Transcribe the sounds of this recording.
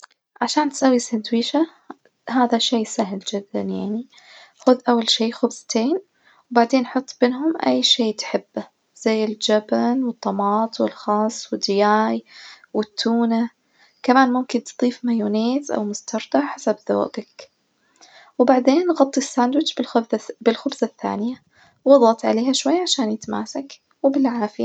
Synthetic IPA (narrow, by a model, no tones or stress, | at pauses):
ʕaʃaːnt̪sawːisand̪wiːʃa | ɦaːðaʃeːsaɦɪld͡ʒɪd̪ːa̰njaʕni | xʊðʔawːalʃiːxʊbsˤt̪eːn | wbaʕd̪eːnħʊt̪ˤːbɪnɦʊmʔajːʃeːt̪ħɪbːa | z̥ajːɪld͡ʒabanwɨt̪ˤːɑmɑːt̪ˤwɪlxɑːsˤwɪd̪ːɪjaːj | wɪt̪ʰːuːna | kamaːnmʊmkɪnt̪t̪ˤiːfmajuːneːt̪ʔa̰wmʊst̪ɑɾˤd̪aħasabðo̰ːʔak | wbaʕd̪eːnːɣɑt̪ˤːisːaːnd̪wɪd͡ʒbɪlxʊbzaθːa̰ːnɪja | wwɑðˤɑt̪ʕa̰leːhaʃwajːaʕaʃaːnjɪt̪ma̰ːsak | wbɪlʕaːfɪja